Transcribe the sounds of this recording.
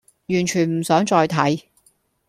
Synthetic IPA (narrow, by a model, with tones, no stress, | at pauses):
jyː˨˩nt͡ʃʰyː˨˩nm̩˨˩sœː˨˥ŋt͡ʃɔː˧jt̪ʰɐ˨˥j